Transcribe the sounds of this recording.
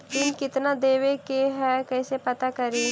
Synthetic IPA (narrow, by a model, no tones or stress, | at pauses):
kɪnkɪt̪nad̪eːwekeɦɛkɛːsepɐt̪akɐɾi